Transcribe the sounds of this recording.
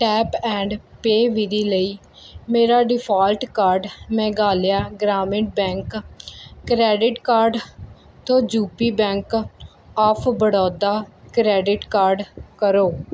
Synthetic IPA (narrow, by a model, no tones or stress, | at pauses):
ʈɛːpɛ̃ːɳɖpeːʋiːd̪iːləiː | meːɾaːɖɪpʰaːlʈkaːɾɖmɛ̃ːɡaːljaːɡɾaːmɪ̃ɳʈ̚bɛ̃ːŋkː | ɾɛːɖɪʈkaːɾɖ | t̪õːd͡ʒuːpiːbɛ̃ːŋk | aːpʰbəɽɔːd̪aːkɾɛːɖɪʈkaːɾɖkəɾoː